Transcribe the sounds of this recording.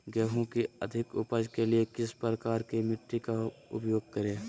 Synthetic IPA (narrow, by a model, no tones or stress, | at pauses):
ɡɛːɦõkiə̰d̪ʱɪkʊ̰pəd͡ʒkeliekɪspɾəkaːɾkimɪʈːikaʊ̰pjoːɡ̚kəɾeː